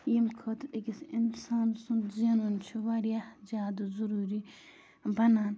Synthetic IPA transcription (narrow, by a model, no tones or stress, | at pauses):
jimkʰɐt̪ʰɗiɡisinsaːnsunzenunt͡ʃʰiʋaɾjahzʲaːd̪zuɾuːɾi | bɐnaːn